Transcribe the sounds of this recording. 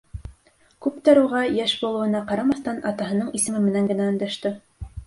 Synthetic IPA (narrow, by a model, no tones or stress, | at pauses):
kʉpt̪æɾuʁɑjæʃbulˠɤ̆wɤ̆nɑqɑɾɑmɑθt̪ɑnɑ̰t̪ɑɦɤ̆nɤɴisɘ̆mɘmɘ̆næŋɡɘ̆næɵ̆nd̪æʃt̪ɘ